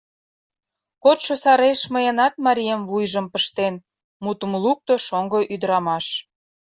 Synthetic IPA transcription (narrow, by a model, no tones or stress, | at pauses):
kot̪ʃosɑɾeʃməjənɑt̪̚mɑɾʲijemvujʒə̆mpəʃt̪en | mut̪əmluk̚t̪oʃoŋɡoʔyd̪əɾɑmɑʃ